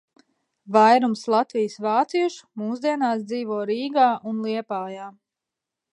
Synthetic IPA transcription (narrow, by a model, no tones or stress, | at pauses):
vajɾumslˠat̪vijsvaːt̪siɛʃu̥muːzd̪iɛnaːsd̪ziːvɔɔːɾiːɡaːʔunlˠiɛpaːjaː